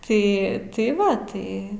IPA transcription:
ˈtɐɪ ˈtɐɪ ˈʋɐ ˈtɐɪ

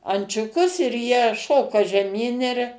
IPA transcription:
ɐnʲt͡ʃʲʊˈkʊs ɪr jiɛ ˈʃoːkɐ ʒʲɛˈmʲiːn ɪr

